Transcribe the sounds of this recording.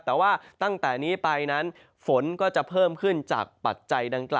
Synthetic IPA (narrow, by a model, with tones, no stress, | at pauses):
t̪ɛː˨˩waː˥˩t̪a˥˩ŋt̪ɛː˨˩niː˦˥pa˧jna˦˥n | fo˩˦nkɔː˥˩t͡ɕa˨˩pʰɤː˥˩mkʰɯ˥˩nt͡ɕa̰ː˨˩k̚pa̰˨˩t̪̚t͡ɕa˧jda˧ŋkla̰ː˨˩